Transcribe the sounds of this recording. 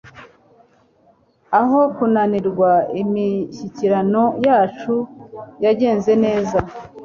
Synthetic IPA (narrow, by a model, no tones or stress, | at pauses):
aɦo̞kunaniɾɡwaimiçiciɾano̞jaːt͡ʃujaɟe̞ːnze̞ne̞ːza